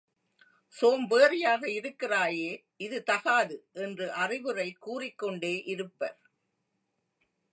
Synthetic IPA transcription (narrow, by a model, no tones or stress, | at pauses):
soːmʋeːrɪjaːɣɐɪɾɯkːɪraːjeː | ɪðɯt̪ɐɣaːðɯʔɛndrɯʔɐrɪʋɯrɐɪkuːrɪkːɔɳɖeːʔɪɾɯpːɐɾ